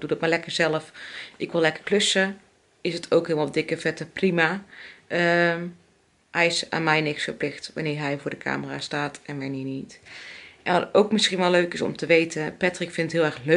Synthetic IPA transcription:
d̥udɑtmaːɹlɛkəɹzɛləfʔɪkʋɪlˠɛkəɹklɵsə | ɪsətʰowkɦɪlˠmɑlˠdɪkəvɛtəprimaːə | hɛjɪsa̰ːnmɛjnɪksfəɹplɪxtʋa̰nɪːɹɦɛjvʊːɹdəkʰa̰ːməraːstaːtɛnʋaniːnitʔɛnʋɑtowkmɪsχinʋɛløɥkɪsɔ̰mtəʋejtəpɛtrɪkfɪntɦɪːlˠɛɹxlø

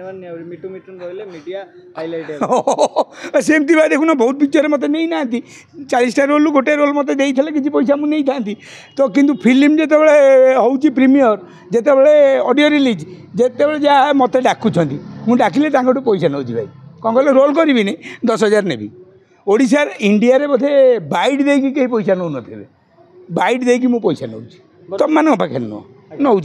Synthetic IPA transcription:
miʈumiʈnlemiɖia | jlo | semt̪ibʱajd̪ekʰunabɔɦut̪̚bit͡ʃɔɾemɔt̪̬enejnaːnt̪i | t͡ʃalisʈaɾoluɡoʈeɾolmɔt̪ed̪ejt̪ʰilekit͡ʃʰipojs̬amũnejt̪ʰant̪i | t̪ɔk̬int̪upʰilimd͡ʒet̪̬ebeɭeɦɔwt͡ʃʰipɾimiɔɾ | d͡ʒet̪ebeɭeɔɖijoɾilid͡ʒ | d͡ʒet̪ebeɭed͡ʒaamɔt̪eɖakʰut͡ʃʰɔnt̪imũɖakʰilet̪ãŋkoʈupojsanowt̪ʰibajkɔkɔlɔɾolkɔɾibined̪ɔsɦɔd͡ʒaɾnebḭ | oɽis̬aɾiɳɖiaɾepɔd̪ʱebaiɖd̪ejkikeɦipɔjsanownɔt̪ʰibe | bajɖd̪ejk̬imũpojsano̰wt͡ʃʰi̥ | t̪ɔmaneɔpakʰḛnːɔ̰ | nowt͡ʃ

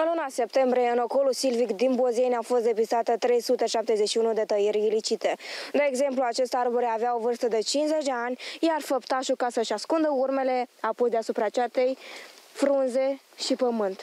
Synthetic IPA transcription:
ɨnlunase̞pt̪e̞mbɾije̞ɨnoko̞lusilvikd̪inbozejnʲafo̞st̪d̪e̞pist̪at̪ət̪ɾe̞jsut̪e̞ʃap̚t̪e̞zet͡ʃʃiunud̪e̞t̪əjiɾʲilit͡ʃit̪e̞d̪eːɡze̞mpluat͡ʃe̞st̪arbuɾeaveao̞vɨrst̪əd̪e̞t͡ʃinsze̞t͡ʃd̪e̞anʲjarfəpt̪aʃukasəʃaskund̪əurme̞le̞apojd̪easupɾat͡ʃet̪ejfɾunze̞ | ʃipəmɨnt̪

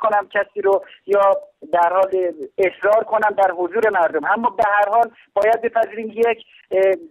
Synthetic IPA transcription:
kʰonæmcʲʰæsiːɾojɒːd̪æɾhɒːle̞sɾɒːɾkʰo̞næmd̪æɾɦozuːɾemæɾd̪omʔæmːɒːbehæɾɦɒːl | b̥ɒːjæd̪̚be̞pʰæziːɾiːmjekʰ

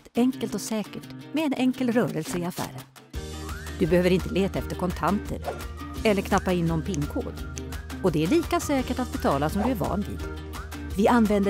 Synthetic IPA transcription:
ɛŋkəlt̪ɔsɛːkəʈmɛːnʔɛŋkəlɾœːɾəlsəɪafæ̰ːɾən | d̪̥ɵbɛhøːvəɾɪnt̪əleːt̪aɛft̪əɾkʰɔnt̪ʰant̪ʰə̰ɾɛlːəɾkʰnapːaɪnːɔnpʰɪŋːkʰo̰ːd̪ɔd̪ɛæɭiːkasɛːkəʈat̪̚bɛt̪ʰɑːlasɔmd̪ɵæɾvɑ̰ːnvḭːd̪̥ | vɪanːvɛnd̪ə

